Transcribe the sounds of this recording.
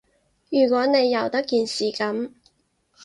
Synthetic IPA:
jyː˨˩kʷɔː˨˥ne˨˧jːɐ˨˩wt̪ɐ˥kːiː˨nsiː˨kɐ˨˥m

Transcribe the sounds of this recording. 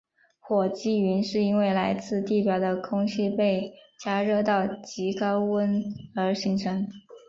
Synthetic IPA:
xwɔ˨˩t͡ɕi˥y˧˥nʂɻ̩˥˩i˥nwe˥˩ɪla˧˥ɪt͡sɹ̩˥˧t̪i˥˩pjɑ˧˩ʊd̪ə˧kʰʊ˥ŋɕi˥˧pe˥˩ɪt͡ɕja˥ɻɤ˥˧t̪ɑ˥˩ʊt͡ɕi˧˥kɑ˥ʊwə˥nə˞˧˥ɕi˧˥ŋʈ͡ʂʰɤ˧˥ŋ

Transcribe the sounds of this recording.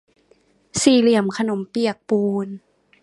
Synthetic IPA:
siː˨˩li˨˩əmkʰa˧no˨˩˦mpi˨˩ək̚puː˧n

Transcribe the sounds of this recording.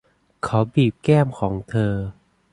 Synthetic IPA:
kʰa˦˥wbiː˨˩p̚kɛː˥˩mkʰɔː˩˦ŋt̪ʰɤː˧

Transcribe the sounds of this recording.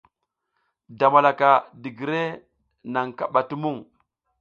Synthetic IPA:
da˨ma˨la˨ka˨di˨ɡi˨ɾe˦ | na˨ŋka˦ɓa˨ti˦mu˦ŋ

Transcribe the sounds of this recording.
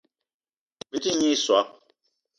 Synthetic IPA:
bi˦ti˦ɲi˦swa˨˦

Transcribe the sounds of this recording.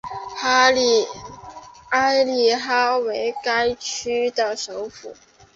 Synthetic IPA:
a˥ɪli˨˩xa˥we˧˥ɪka˥ɪt͡ʃʰy˥d̪ə˨ʂo˧˥ʊfṵ˨˩˦

